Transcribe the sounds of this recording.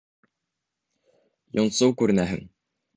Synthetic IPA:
jŏnsɤwkʉɾɘ̆næɦɘ̰ŋ

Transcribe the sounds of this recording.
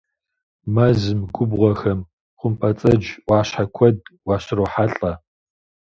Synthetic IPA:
mɐzɨmɡʷʊbʁʷɔxɐm | qʷʊmpʰʼɐt͡sʼɐd͡ʒwɑːɕħakʷʰɔdwɑːɕɪroːħaɬʼɐ

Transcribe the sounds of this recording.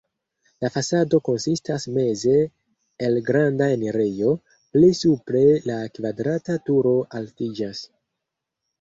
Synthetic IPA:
lafasado̞ko̞nsistasme̞ze̞ː | lɡɾandaeneɾijo̞ | plisupɾe̞lakvadɾatatuɾo̞ʔaltid͡ʒas

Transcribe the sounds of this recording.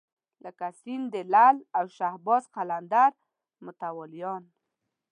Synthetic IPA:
ləkasind̪əlalawʃahbɔzqaland̪aɾ | mʊt̪awɔlijɑn

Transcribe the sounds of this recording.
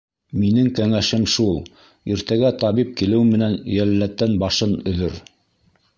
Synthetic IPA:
minɘŋkæŋæʃɘmʃulˠ | iɾt̪æɡæt̪ɑβip̚kilɘ̆wɘmɘ̆nænjælːæt̪ːænbɑʃɤnɵ̆ðɵɾ

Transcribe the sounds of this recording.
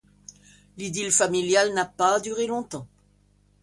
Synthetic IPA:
lid̪ilfamiljalnapad̪yʁelɔ̃t̪ɑ̃

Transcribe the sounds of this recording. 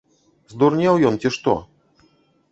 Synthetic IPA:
zd̪urnʲawjɔnt͡sʲiʂt̪ɔ̰

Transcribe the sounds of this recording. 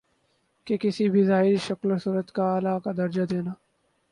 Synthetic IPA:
kekɪsibʱizaːiʃɐklosuːɾət̪kaːlaːkad̪ɐɾd͡ʒad̪eːnaː

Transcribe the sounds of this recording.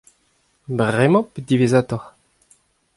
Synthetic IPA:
bʁɛmɑ̃ped̪ivezaːt̪ɔʁ

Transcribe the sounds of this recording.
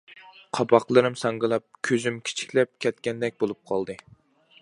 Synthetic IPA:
qʰɑbɑqlˠɨɾɨmsɑŋɡɨlˠɑp̚kʲʰøzymkʲʰi̥t͡ʃʰi̥kʲlɛp̚kʲʰɛt̪̚kʲɛnd̪ɛk̚ʲbolˠup̚qʰɑlˠd̪ɨ

